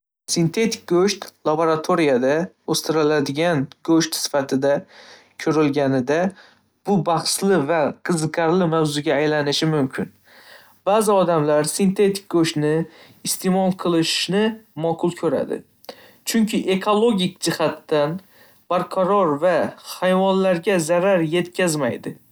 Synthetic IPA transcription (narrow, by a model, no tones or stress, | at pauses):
sɪnt̪ʰe̞t̪ʰɪ̥k̚ɡoʃt̪lˠaboɾat̪ʰoɾijad̪a | ost̪ɪɾɪlad̪ɪɡʲanɡ̥ɵʃt̪sɪ̥fat̪ʰɪd̪a | kʲʰʊɾɪlɡʲanɪd̪a | b̥ʊbɑχslɪvaqʰɨzɨqʰɑɾlɪmawzʊɡʲaːjlanɪʃɪmʊmkʲʰɪn | b̥aːzɪɒd̪amlaɾsɪnt̪ʰe̞t̪ʰɪ̥k̚ʲɡɵʃt̪nɪː | st̪ʰe̞mɒlˠqʰɨlˠɪʃnɪmɒqʰʊlˠkʲʰɵɾa̰d̪ɪ̰ | t͡ʃʰʊŋkʲʰɪʔe̞kʰolˠoɡʲɪkʲd͡ʒɪhat̪ːan | b̥aɾqʰɑɾɒɾvahajvɒnlaɾɡʲazaɾaɾje̞t̪kʲʰazmajd̪ɪ